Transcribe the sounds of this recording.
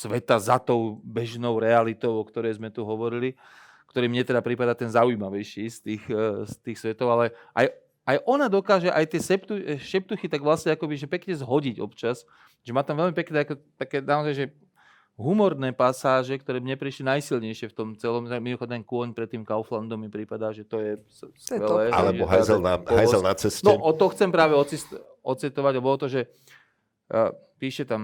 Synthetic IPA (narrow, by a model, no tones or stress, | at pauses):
sʋɛt̪azat̪ɔʊbɛʒnɔʊɾɛalit̪ɔʊɔkt̪ɔɾɛjzmɛt̪uɦɔʋɔɾili | kt̪ɔɾiːmɲɛt̪ɛd̪apɾipad̪aːt̪ɛnzaujimaʋɛjʃiːst̪iːxst̪iːxsʋɛt̪ɔʊalɛʔa̰j | ajʔɔnad̪ɔkaːʒɛʔajt̪ɪɛsɛpt̪uʃɛp̚t̪uxit̪aɡʋlasɲɛakɔbiʒɛpɛkɲɛzɦɔɟiɟɔ̰pt͡ʃas | ʒɛmaːt̪amʋɛlmipɛknɛːakɔt̪akɛːnaɔzajʒɛ | ɦumɔɾnɛːpasaːʒɛk̚t̪ɔɾɛːmɲɛpɾiʃlinajsilɲɛjʃɪɛft̪ɔmt͡sɛlɔmaminɔxɔd̪nankʊɔɲpɾɛt̪ːiːmkaʊfland̪ɔmːipɾipad̪aːʒɛt̪ɔjɛsskʋɛlɛːa̰lɛbɔɦa̰jzɛlnaɔajɛlnat͡sɛst̪nɔʔɔt̪ɔxt͡sɛmpɾaːʋɛɔt͡sist̪ | ʔɔt͡sɛt̪ɔʋaɟalɛbɔɔt̪ɔʒɛ | piːʃɛt̪am